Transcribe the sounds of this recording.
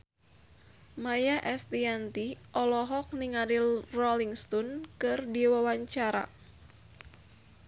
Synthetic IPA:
majaʔɛst̪iant̪iʔɔlɔɦɔk̚niŋaɾilrɔliŋst̪ɔnkɨrdiwawaɲt͡ʃaɾa̰

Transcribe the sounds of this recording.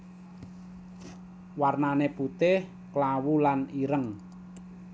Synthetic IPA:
warnaneput̪ɪh | klawulaniɾəŋ

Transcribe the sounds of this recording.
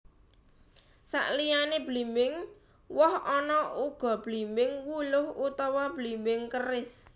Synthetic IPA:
sa̰ʔlijaneb̥limɪŋ | wɔhɔnɔuɡ̥ɔ̤b̥limɪŋwulʊhut̪ɔwɔb̥limbɪŋkərɪs

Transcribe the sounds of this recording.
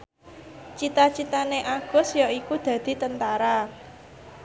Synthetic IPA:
t͡ʃit̪at͡ʃit̪aneʔaɡ̥ɔ̤sjɔikud̪̥ä̤d̪̥i̤t̪ənt̪aɾa

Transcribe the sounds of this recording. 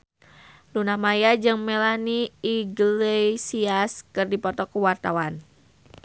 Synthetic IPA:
lunamajad͡ʒɨŋmelaniiɡlesiaskɨrdipɔt̪ɔkuwart̪awan

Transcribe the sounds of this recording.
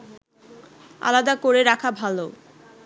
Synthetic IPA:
a̰lad̪akoɾeɾakʰabʱalo

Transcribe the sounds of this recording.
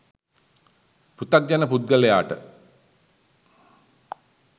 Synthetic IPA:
put̪ak̚d͡ʑanəpud̪̚ɡəlejaːʈə̰

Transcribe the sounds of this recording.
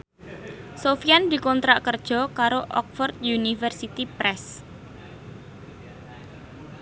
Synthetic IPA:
sofiand̪i̤kɔnt̪ɾaʔkərd̥ʒ̥ɔ̤kaɾoʔɔk̚fɔrd̪junifərsit̪ipɾɛs

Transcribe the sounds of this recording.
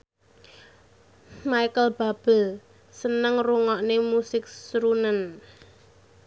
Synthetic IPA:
majkəlb̥a̤b̥ɛ̤l | sənəŋruŋɔʔnemusɪk̚sɾunən

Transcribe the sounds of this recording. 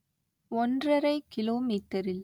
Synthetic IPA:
ɔndrɐɾɐɪkɪloːmiːt̪ːɐɾɪl

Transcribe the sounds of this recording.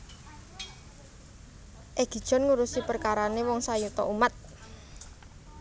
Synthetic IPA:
ʔeɡ̥i̤d̥ʒ̥ɔ̤nŋuɾusipərkaɾanewɔŋsajut̪ɔ̰ʔumat̪̚

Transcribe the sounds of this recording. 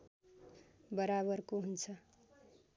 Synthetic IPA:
bʌɾaβʌrkoɦunt͡sʰʌ

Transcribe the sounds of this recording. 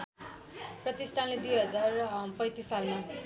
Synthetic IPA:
prʌt̪isʈʰanled̪ujɦʌd͡zarpʌj̃t̪isalma

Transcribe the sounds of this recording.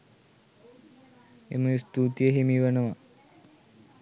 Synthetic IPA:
ḛmuist̪ut̪ijəɦimiʋənəʋa

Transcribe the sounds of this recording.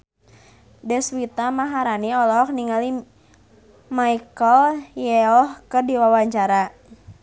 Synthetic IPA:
dɛswit̪amaɦaɾaniɔlɔkniŋali | maikɔljɛɔhkɨrdiwawaɲt͡ʃaɾa

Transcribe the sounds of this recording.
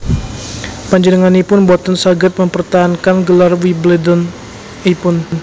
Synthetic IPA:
paɲd͡ʒənəŋanipʊnbɔt̪ɔnsaɡət̪̚məmpərt̪aɦankanɡəlarwiblɛdɔn | ipʊn

